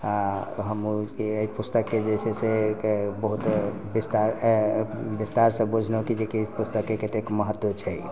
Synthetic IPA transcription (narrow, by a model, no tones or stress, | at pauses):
aɦəmueipust̪əkːed͡ʒesʰesebəɦut̪ | bist̪aɾ | bist̪aɾsə̃bud͡ʒʱnokid͡ʒekipust̪əkːeket̪ekməɦət̪ːwot͡ʃʰɛ